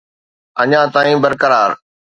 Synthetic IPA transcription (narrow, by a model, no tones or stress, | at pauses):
əɲãːt̪aːĩːbəɾkəɾaːɾ